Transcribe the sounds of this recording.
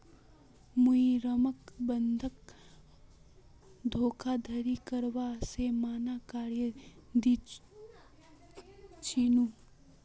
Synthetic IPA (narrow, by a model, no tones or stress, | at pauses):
muiɾəməkbənd̪ʱək̚ | d̪ʱoːkʰad̪ʱəɾikəɾwasemaːnakaːɾjəd̪i | t͡ʃiːnu